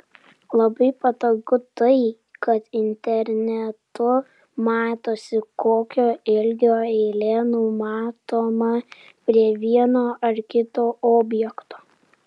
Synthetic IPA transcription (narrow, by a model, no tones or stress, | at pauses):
lˠɐbɐɪpɐt̪oːɡʊt̪ɐɪ | kɐt̪ɪnʲt̪ʲɛɾʲnʲɛt̪ʊ | mɑːt̪oːsʲɪkoːkʲoːɪlʲɡʲoːɛlʲɛnʊmɑːt̪oːmɐ | pʲɾʲiɛʋʲiɛnoːʔɐɾkʲɪt̪oːʔoːbʲjɛkt̪oː